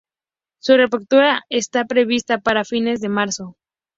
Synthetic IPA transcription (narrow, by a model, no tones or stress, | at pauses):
sure̞pekt̪uɾae̞st̪apɾe̞β̞ist̪apaɾafine̞zðe̞maɾso̞